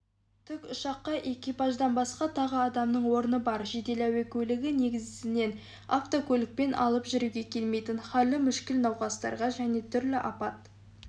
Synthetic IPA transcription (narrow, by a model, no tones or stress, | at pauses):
t̪ʰʏkʲʊʃɑqːɑʔe̞kʲipɑʒd̪ɑnbɑsqɑt̪ʰɑʁəɑd̪ɑmnəɴwo̞ɾənəbɑɾʒe̞d̪e̞læwekʲʰɵlɪɡʲɪne̞ɡʲɪzɪɪne̞n | a̰ft̪okʲʰɵlɪk̚pe̞nʔɑ̰lˠəpʒʏɾuɡʲe̞kʲʰe̞lme̞jt̪ɪnχɑlːɪmʏʃkʲɪlnɑwqɑst̪ɑ̰ɾʁɑʒæne̞t̪ʰʏɾlɪʔɑpɑt̪̚